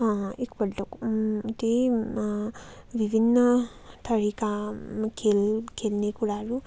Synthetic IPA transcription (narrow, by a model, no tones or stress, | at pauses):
aikpɐɖlokuɐʈ̪e | ʋibʱinːɐ | t̪ʰɐɾikakʰelkelneːkuɽaːɾu